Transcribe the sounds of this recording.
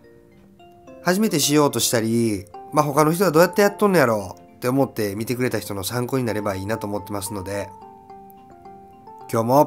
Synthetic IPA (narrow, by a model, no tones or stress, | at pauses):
haʑime̞t̪e̞ɕijo̞ːt̪o̞ɕi̥t̪aɾʲimaɦo̞kano̞çi̥t̪o̞ad̪o̞ːjat̪ːejat̪ːõnojaɾo̞ | t̪ːe̞omo̞t̪ːe̞mʲit̪e̞kɯɾe̞t̪açi̥t̪o̞no̞sãŋko̞ːɲ̟inaɾe̞baiːnat̪o̞ːmot̪ːemasɨno̞d̪e̞ | kʲo̞ːmo̞